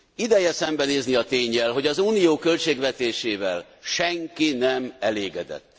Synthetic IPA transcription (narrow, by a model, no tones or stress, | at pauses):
id̪ɛjɛsɛmbɛneːzniɒt̪eːɲːɛlɦo̞ɟɒzuːnijoːkø̞lt͡ʃeːɡʋɛt̪eːʃeːvɛl | ʃɛŋkinɛmɛleːɡɛd̪ɛ̰t̪ː